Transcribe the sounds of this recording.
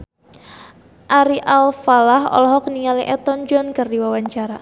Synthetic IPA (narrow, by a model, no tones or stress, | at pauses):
ʔaɾiʔalfalahɔ̰lɔɦɔkəniŋaliʔɛt̪ɔnd͡ʒɔnkərdiwawaɲt͡ʃaɾa